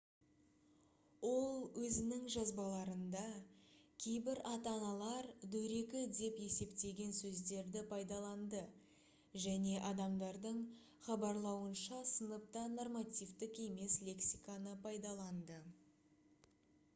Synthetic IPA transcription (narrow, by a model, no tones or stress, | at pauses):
wo̞lˠwɵzɪnɪŋʒɑzbɑlˠɑɾənd̪ɑkʲʰe̞jbɪɾɑt̪ɑnɑlˠɑɾd̪ɵɾe̞kʲɪd̪e̞pe̞se̞pt̪e̞ɡʲe̞nsɵzd̪e̞ɾd̪ɪpʰɑjd̪ɑlˠɑnd̪ə | ʒæne̞ʔɑd̪ɑmd̪ɑɾd̪əɴ | χɑbɑɾlˠɑwənʃɑsənəp̚t̪ɑno̞rmat̪ijvt̪ɪke̞me̞slʲe̞ksijkanəpʰɑjd̪ɑlˠɑnd̪ə